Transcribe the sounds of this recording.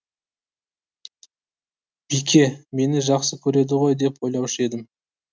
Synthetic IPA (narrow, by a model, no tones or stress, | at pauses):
b̥ikʲʰe̞me̞nɪʒɑqsəkʲʰɵɾe̞d̪ɪʁo̞jd̪e̞pwo̞jlˠɑwʃəe̞d̪ɪm